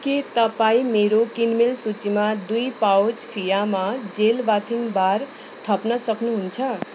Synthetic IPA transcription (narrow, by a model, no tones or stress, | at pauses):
kit̪ʌpaĩmeɾokinmelsut͡simad̪ujpawd͡zpʰijamad͡zelbat̪ʰiŋbaɾ | t̪ʰʌpnʌsʌknuɦunt͡sʰʌ